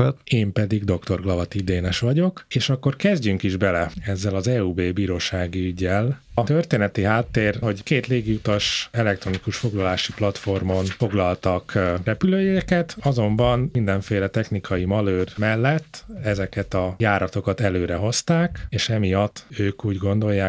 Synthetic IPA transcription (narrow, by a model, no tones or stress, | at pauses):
eːmpɛd̪iɡd̪o̞kt̪o̞rɡlɒvɒt̪id̪eːnɛʃʋɒɟo̞keːʃɒkːo̞rkɛzɟyŋkiʒbɛlɛɛzːɛlɒzɛːuːbeːbiːɾoːʃaːɡiyɟːɛlɒt̪ørt̪eːnɛt̪iɦaːt̪ːeːrho̞ɟkeːt̪leːɡijut̪ɒʃɛlɛk̚t̪ɾo̞nikuʃfo̞ɡlɒlaːʃiplɒt̪fo̞rmo̞nfo̞ɡlɒlt̪ɒkrɛpyløːjkɛt̪ɒzo̞mbɒnmind̪ɛɱfeːlɛt̪ɛxnikʰɒjimɒløːrmɛlːɛt̪ːɛzɛkɛt̪ɒjaːɾɒt̪o̞kɒt̪ɛløːɾɛɦo̞st̪aːkeːʃɛmijɒt̪ːøːkuːɟɡo̞nd̪o̞jːaː